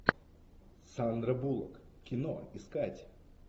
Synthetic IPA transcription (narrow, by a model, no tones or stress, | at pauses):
sand̪ɾɐbulˠɐ̰k | kʲɪnɔ̰iskatʲ